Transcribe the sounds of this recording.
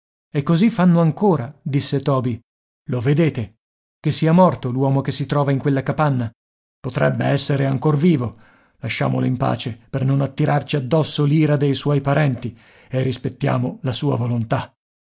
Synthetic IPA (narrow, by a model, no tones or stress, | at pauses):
ekːozifːanːoaŋkoːɾad̪isːet̪ɔːbi | loved̪eːt̪e | kesːiːamɔrt̪olwɔːmokesːit̪ɾɔːvaiŋkwelːakapanːa | pot̪ɾɛbːḛɛsːeɾeaŋkorviːvo | laʃːa̰ːmo̰loimpa̰ːt͡ʃepernonat̪ːiɾart͡ʃiad̪ːɔsːoliːɾad̪ejswɔjpaɾɛnt̪i | erːispet̪ːja̰ːmolasuːa̰volont̪a